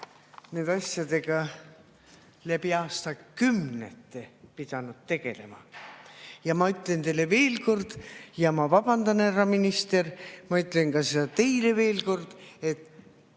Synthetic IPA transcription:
ne̞ːd̪ɑsʲjɑd̪e̞ɡ̥ɑ | læbiɑːst̪ɑkymnḛt̪ːepid̪̥ɑnud̪̥̚t̪ːe̞ɡ̥e̞le̞̰mɑ̰ | jɑmɑyt̪ˑlent̪e̞le̞ve̞ːlko̞rd̪̥jɑmɑvɑbɑnd̪ɑnerɑminist̪e̞rmɑyt̪ːˑlenkɑse̞d̪ɑt̪e̞jle̞ve̞ːlko̞rd̪̥e̞t̪ːˑ

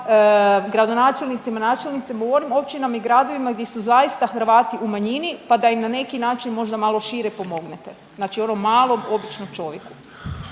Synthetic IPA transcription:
əɡɾad̪o̞naːt͡ʃelnit̪simanaːt͡ʃelʲˠnit̪seɡoʋo̞ɾimo̞p̚t͡ʃinamiɡɾad̪o̞ʋimaɡd̪jesuzaist̪axrɾʋaːt̪iumaɲinipad̪aimnane̞kinaːt͡ʃinmo̞ʒd̪amaːlˠo̞ʃiɾepo̞mo̞ɡnet̪e̞ | znaːt͡ʃio̞no̞mːaːlˠo̞mo̞bit͡ʃnomt͡ʃo̞ʋjḛku̥

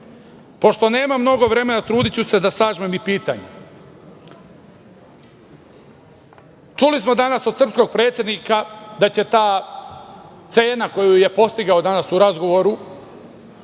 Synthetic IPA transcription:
po̞ʃt̪o̞ne̞ːmamno̞ɡo̞ʋɾe̞me̞nat̪ɾuːd̪it͡ɕuse̞d̪asaːʒmemipiːt̪a̰ɲḛ | t͡ʃulismo̞d̪anaso̞d̪srpsko̞ɡ̚pɾeːt̪sjed̪nikad̪at͡ɕe̞t̪aː | t̪se̞ːnako̞juje̞po̞st̪iɡao̞d̪anasuɾazɡo̞ʋo̞ɾu

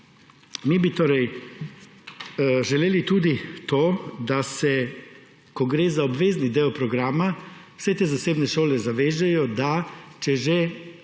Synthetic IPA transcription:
mibit̪oːɾɛj | ʒɛleːlit̪uːd̪it̪oːd̪asɛ | kɔɡɾeːzaɔbʋeːznid̪eɔpɾɔɡɾaːmawsɛt̪eːzaseːbnɛʃoːlɛzaʋeːʒɛjɔd̪at͡ʃɛʒe

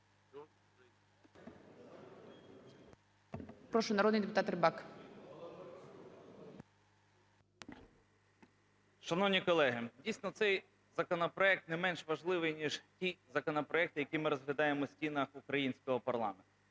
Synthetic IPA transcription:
pɾɔʃʊnɐɾoɔd̪nɪjd̪epʊt̪ɑt̪ɾɪbɑk | ʃɐnɔwnʲikɔlˠɛɦɪdʲijsʲnɔt̪sɛj | zɐkɔnɔpɾɔɛk̚t̪nɛmɛnʃʋɐʒlˠɪʋɪjnʲiʒtʲizɐkɔnɔpɾɔɛk̚t̪ɪjɐkʲimɪɾɔzɦlʲɐd̪ɑjemɔsʲtʲinɐxukɾɐjinʲsʲkɔɦɔpɐrlˠɑ̰ment̪ʊʊ

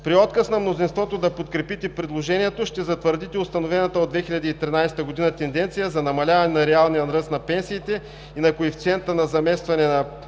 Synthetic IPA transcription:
pɾiɔt̪kəsnɐmnozinst̪vɔt̪od̪ɐpot̪kɾɛpit̪ɛpɾɛd̪lˠoʒɛniɛt̪oʃt̪ɛzɐt̪vəɾd̪it̪ɛʊst̪ɐnovɛnɐt̪əod̪vɛxiʎʲɐd̪iːt̪ɾinajsɛt̪əɡod̪inɐt̪ɛnd̪ɛnt̪sijəzɐnɐmɐlʲavɐnɛnɐɾɛalˠnijənɾɤst̪nɐpɛnsiːt̪ɛ | inɐkoift̪sɛnt̪ənɐzɐmɛst̪vɐnɛnɐ

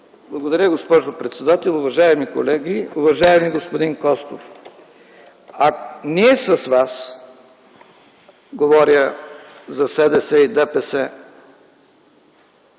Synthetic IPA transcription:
blˠɐɡod̪ɐɾʲjəɡospɔʒopɾɛt̪sɛd̪at̪ɛlˠʊvɐʒaɛmiko̰lɛɡiuvɐʒaɛmiɡospod̪inkɔst̪o̰f | akniɛsɐsvas | ɡovɔɾjəzɐsɛd̪ɛsɛid̪ɛpɛsɛ

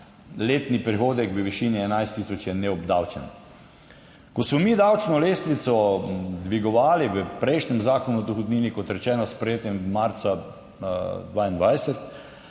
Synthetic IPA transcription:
leːt̪nipɾixoːd̪ɛkʋəʋiʃiːniɛnajst̪ːiːsɔt͡ʃjɛnɛɔbd̪awt͡ʃɛnɔ | kɔsmɔmid̪awt͡ʃnɔleːst̪ʋit̪sɔd̪ʋiɡɔʋaːliʋəpɾɛjʃnɛmzaːkonuɔd̪ɔxod̪niːnikɔt̪ɾɛt͡ʃɛːnɔspɾɛjeːt̪jɛmːaɾt̪sa | d̪ʋaːind̪ʋajsɛt̪

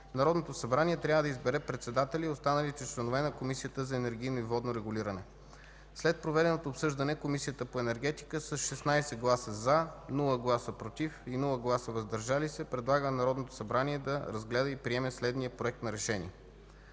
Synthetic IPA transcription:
nɐɾɔd̪not̪osɐbɾaniɛt̪ɾʲavəd̪ɐizbɛɾɛpɾɛt̪sɛd̪at̪ɛliost̪anəlit̪ɛt͡ʃlɛnovɛnɐkomisijət̪əzɐɛnɛɾɡ̟ʲijnoivɔd̪noɾɛɡʊlʲiɾɐnɛ | slɛt̪̚pɾovɛd̪ɛnot̪oːpsɤʒd̪ɐnɛkomisijət̪əpoɛnɛɾɡ̟ɛt̪i̥kəsəsʃɛsnajsɛɡlˠasəzanulˠəɡlˠasəpɾot̪ifinulˠəɡlˠasəvɐzd̪ɐɾʒalisɛpɾɛd̪lˠaɡənɐɾɔd̪not̪o̥sɐbɾanʲiɛd̪ɐɾɐzɡlɛd̪əipɾiɛmɛslɛd̪niəpɾoɛk̚t̪nɐɾɛʃɛnʲḭɛ

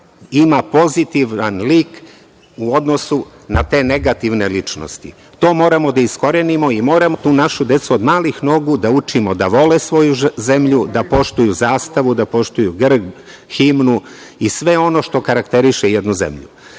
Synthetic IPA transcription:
imapo̞zit̪iʋanliːk | uo̞d̪no̞su | nat̪e̞ːne̞ɡat̪iʋne̞lit͡ʃno̰st̪ḭ | t̪o̞ːmo̞ːɾamo̞d̪aisko̞ɾenimo̞imo̞ːɾamot̪uːnaʃud̪e̞t̪suo̞d̪maːlixno̞ɡud̪aut͡ʃimo̞d̪aʋo̞lesʋo̞juze̞mʎud̪apo̞ʃt̪ujuzaːst̪aʋud̪apo̞ʃt̪ujuɡr̩ | ximnu | isʋe̞o̞no̞ʃt̪o̞kaɾakt̪e̞ɾiʃejed̪nuze̞̰mʎṵ

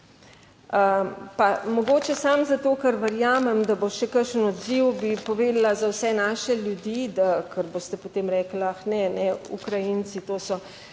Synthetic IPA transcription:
əpamɔɡoːt͡ʃɛsamzat̪oːkɐɾʋəɾjaːmɛmd̪aboʃɛkəɾʃənɔd̪ziwbipoʋeːd̪alazawsɛnaːʃɛljud̪id̪akʰəɾboːst̪ɛpot̪eːmɾɛːklaxnɛnɛṵkɾajint͡ssit̪oːsɔ

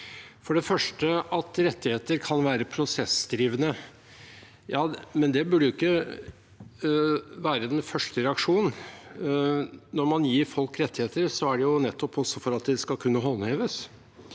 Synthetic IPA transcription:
fɔɖɛfœʂʈəʔɑt̪ɾɛt̪ːɪheːt̪əɾkʰɑnʋæːɾəpʰɾʊsɛsd̪ɾiːʋənə | jɑːmɛnd̪ɛbʉɖəjʊɪkːə | ʋæːɾəd̪ɛnfœʂʈəɾɛɑkʂuːnn̩ | nɔɾmɑnjiːɾfɔlkɾɛt̪ʰːɪheːt̪əɾsɔæɖɛjʊnɛt̪ʰːɔpɔsːɔfɔɾɑt̪̚d̪ɛskɑlkʰʉnːəɦɔlːheːʋəs

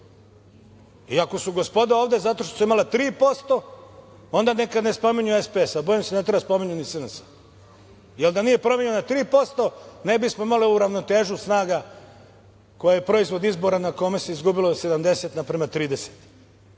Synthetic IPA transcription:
iako̞suɡo̞spo̞d̪aoːʋd̪e̞zat̪o̞ʃt̪osuimalat̪ɾiːpo̞st̪o̞ | o̞nd̪anekad̪ne̞spomiɲuespeesaboːjimsenet̪̬ɾbaspo̞miɲunisɨnsḁ | jeld̪anije̞pɾo̞mjeɲnat̪ɾiːpo̞st̪o̞ne̞bismoimaliuɾaʋno̞t̪e̞ːʒusnaːɡa | ko̞jajepɾo̞izʋo̞d̪izbo̞ɾanakomeseizɡubilo̞se̞d̪amd̪e̞se̞t̪napɾemat̪ɾiːd̪eset̪

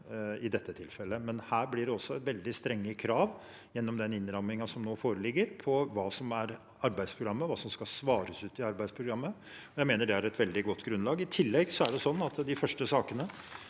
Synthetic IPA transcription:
ɪd̪ɛt̪ʰːət̪ʰɪlfɛlːəmɛnhæːɾblɪɖɛɔsːɔɛt̪ʋɛld̪ɪst̪ɾɛŋːəkʰɾɑːʋ | jɛnːɔmd̪ɛnɪnːɾɑmɪŋɑsɔmnoːfoːɾəlɪɡːəɾpʰɔʋɑːsɔmæɾ | ɑɾbæɪd̪spʰɾʊɡɾɑmːəʋɑːsɔmskɑsʋɑːɾəsʉːt̪ɪɑɾbæɪd̪spʰɾʊɡɾɑmːə | ɔjæɪmeːnəɖɛæɾɛt̪ʋɛld̪ɪɡɔt̪ːɡɾʉnlɑːɡɪt̪ʰɪlːɛɡsɔæɖɛsɔnːɑt̪d̪ɪfœʂʈəsɑːkənə

